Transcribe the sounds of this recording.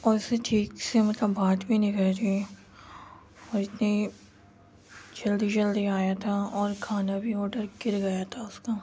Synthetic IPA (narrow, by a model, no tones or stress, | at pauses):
ɔːɾɪseʈʰiːksemɐt̪ləbːaːt̪bʱinɪkəɾe | ɔːɾɪt̪ni | d͡ʒɐld̪id͡ʒɐld̪iaːjat̪ʰaːɔːɾkʰaːnabʱiɔːɖəɾkɪɾɡɐjat̪ʰaːʊskaː